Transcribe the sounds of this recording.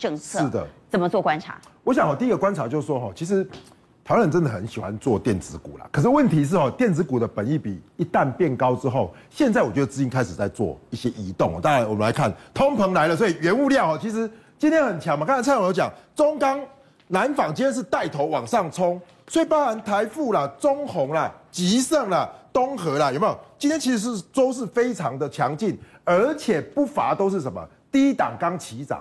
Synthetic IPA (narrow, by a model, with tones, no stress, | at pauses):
ʈ͡ʂɤ˥˧ŋʰʂʰɻ̩˥˩d̪ə̰˩t͡sə˨˩mə˨˦t͡swɔ˥˨˩kwa˦nt͡sʰa̰˨˩˦wɔ˧˦ɕja˨ŋɦɔ˨˩t̪i˨i˥ɡə˨kwa˦nt͡sʰa˨˧˥t͡ɕjo˥˧ʊs̩˥˩ʂwɔ˦˥xɔ˥˨t͡ɕʰi˧˥ʂ̬ɻ̩˧˦ | t̪ʰwa˥n˩˨˩t͡sə˦nd̪ə˨˩xə˨˦nɕi˨˩xwa˦nt͡swɔ˥˨t̪jɛ˥˩nt͡sɹ̩˧˦kṵ˨˩la̰˩kʰə˨˩ʂ̬̩˥˩wə˥˨nt̪ʰi˧˦ʂ̬ɻ̩˥˩ɦɔ˨˩t̪jɛ˥˨˩nt͡sɹ̩˧˦ku˨˩d̪ə˦pə˨˩ni˥˩pḭ˨˩i˧˦t̪a˥˧˨npjɛ˥˨nkɑ˦ʊt͡sɻ̩˦xo˥˨ʊ | ɕjɛ˥˧nt͡sa˥˩ɪwɔ˨˩t͡ɕɛ˧d̪ə˩t͡sɹ̩˥˧t͡ɕi˧˥ŋkʰa˦˥ɪʂ̩˨˩t͡sa˥˧ɪt͡swɔ̰˥˨i˥˩ɕjɛ˦ʔi˧˥t̪ʊ˥˨ŋhɔ̰˨˩t̪a˥˧˩ja˧˥nwɔ˨˩mə˦nla˧˦kʰa˥˩nt̪ʰo˦ŋpʰə˧˥ŋla˧˦ɪlə˨s̬wɔ˦˥i˨ɥɛ˧˥nu˥˧ljɑ˥˨ɦɔ˨˩t͡ɕʰi˧˥ʂ̩˧˦ | t͡ɕi˥nt̪ʰjɛ˥nhə˨˩nt͡ɕʰɑ˧˦ŋm˨ka˥˩˥jo˧˥ʊt͡ɕja̰˨˩ŋt͡so˦ŋkɑ˦ŋ | na˨˦nfɑ˨˩ŋt͡ɕi˧˥nt̪ʰɛ˥nʂ̬̩˥˧t̪a˥˩ɪt̪ʰo˨˧˦ʊwɑ̰˨˩ŋʂɑ˥˩ŋt͡sʰɔ˦ŋ | swe˥˩˨pa˥la˧˦nt̪ʰa˧˦ɪfu˥˩la˨t͡so˥˦ŋhɔ˨˧˦ŋla˨t͡ɕi˧˦sə˥˩ŋla˨t̪o˦˥ŋxɤ˧˥la˨jme˦jo˨˩t͡ɕi˦nt̪jɛ˥nt͡ɕʰi˧˥ʂ̩˧ʂ̩˥˩t͡so˦ʊʂ̬ɻ̩˥˩fe˥ɪt͡sʰɑ˧˦ŋd̪ə˨t͡ɕʰjɑ˧˦ŋt͡ɕi˥˩n | ə˞˧˥t͡ɕʰjɛ˨˩pu˥˩fa̰˨˥t̪o˥ʊʂ̬ɻ̩˥˩ʂə˨˧˦nmə̰˨˩ | t̪i˥˧i˦˥t̪a˨˩ŋkɑ˦ŋt͡ɕʰi˧˦t͡sɑ̰˨˩˦